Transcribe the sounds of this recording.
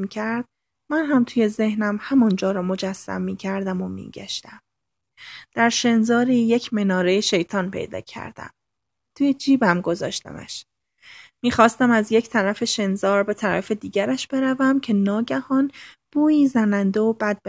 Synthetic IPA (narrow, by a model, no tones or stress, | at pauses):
icʰæɾd̪̥̚ | mænɦæmt̪ʰuːje̞ze̞hnæmhæmɒnd͡ʒɒːɾɒːmo̞d͡ʒæsːæ̰mːiːcʰæɾd̪æmo̞mḭːɟ̥æ̰ʃt̪æm | d̪̥æɾʃe̞nzɒːɾiːje̞cʰmenɒːɾe̞jeʃe̞jt̪ʰɒːnpʰḛjd̪ɒ̰ːcʰæ̰ɾd̪̥æ̰m | t̪ʰuːjed͡ʒiːbæmɡo̞zɒ̰ːʃt̪æ̰mæ̰ʃ | miːxɒːst̪æmæzje̞cʰt̪ʰæɾæfe̞ʃe̞nzɒːɾbe̞t̪ʰæɾæ̰fe̞d̪iːɟæɾæʃb̥e̞ɾævæmcʰe̞nɒːɟæhɒnb̥uːiːzænænd̪eobæd̪̚b